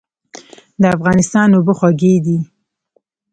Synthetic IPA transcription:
d̪əafɣɑnɪst̪ɑnoboxwaɡed̪i

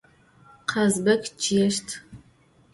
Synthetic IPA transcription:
qʰɐzbɐkt͡ʃʰʼijɛʃtʰ

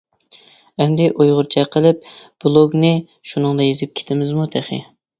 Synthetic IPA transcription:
ɛnd̪ɪʔojʁʊɾt͡ʃʰɛqʰəlˠɪp̚b̥lˠoɡnɪ | ʃunɨŋd̪ɑjezɪp̚kʲʰe̥t̪ʰɪmɪzmut̪ʰæχɪ̰

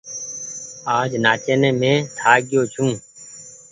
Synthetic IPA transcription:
aːd͡ʒnaːt͡ʃeːnẽːmẽːt̪ʰaːɡɪjoːt͡ʃʰũː

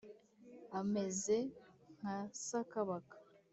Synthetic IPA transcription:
ame̞zeŋ̥asakaβakḁ

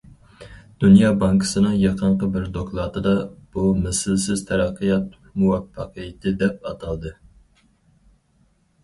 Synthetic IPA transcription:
d̪̥unjɑːbɑŋkʰɨ̥sɨnɨŋjɑqʰəɴqəbɪɾd̪oklˠɑːt̪ɨd̪ɑb̥umɛsɪlsɪz̥t̪ʰɛɾæqʰːəjɑt̪̚ | muwɑfːɑqʰijɪt̪ʰɪd̪ɛp̚ɑt̪ʰɑlˠd̪ɨ

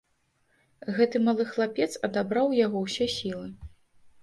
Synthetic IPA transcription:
ɣɛt̪ɨmalˠɨxlˠapʲɛt̪sɐd̪abɾawjaɣɔwsʲɛsʲilˠɨ

